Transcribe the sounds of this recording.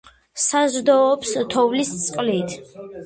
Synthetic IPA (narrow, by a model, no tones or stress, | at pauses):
sazɾd̪ɔːpst̪ʰɔvlist̪sʼqʼlit̪ʰ